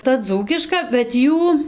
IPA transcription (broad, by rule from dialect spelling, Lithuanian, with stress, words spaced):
tɐ ˈd͡zuːkʲɪʃkɐ bʲɛt ˈjuː